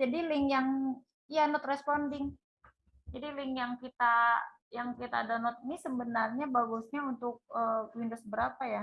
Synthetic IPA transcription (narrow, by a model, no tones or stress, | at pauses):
d͡ʒadilɪŋjaŋ | janɔt̪rɛspɔndɪŋ | d͡ʒadilɪŋjaŋkit̪a | jaŋkit̪a̰ːdanɔt̪̚inisəmbənarɲabaɡusɲaunt̪ʊk̚əwindosbəɾapaja